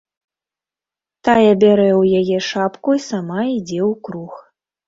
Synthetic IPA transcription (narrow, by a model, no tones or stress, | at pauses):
t̪ajɛbʲaɾɛwjajɛʂapkuisamaid͡zʲɛwkɾux